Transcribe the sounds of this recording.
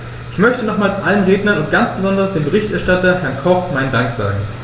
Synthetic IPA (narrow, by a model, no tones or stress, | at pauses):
ʔɪçmœçtənɔχmaːlsʔalənʁeːdnɐnʊnt̚ɡ̥ant͡sb̥əzɔndɐsd̥eːmbəʁɪçtʔɛɐʃtatɐhɛɐnkʰɔχmaɪndaŋkz̥a̰ːɡŋ̩